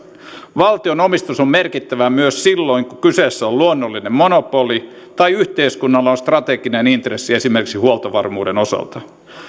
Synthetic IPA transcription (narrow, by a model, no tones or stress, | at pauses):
ʋɑlt̪io̞no̞mist̪usomme̞rkit̪ːæʋæmyøssilːo̞iŋkukyseːsːæoluonːolːinemmo̞nopo̞li | t̪ɑjyht̪e̞iskunːɑlːɑonst̪rɑt̪eɡinenint̪resːie̞simerkiksihuolt̪ɑʋɑrmuːde̞no̞sɑ̰lt̪ɑ